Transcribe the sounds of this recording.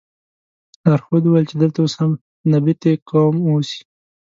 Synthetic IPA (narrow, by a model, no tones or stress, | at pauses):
aɾxod̪uwajlt͡ʃed̪əlt̪aosham | nabit̪ekɑmosi̥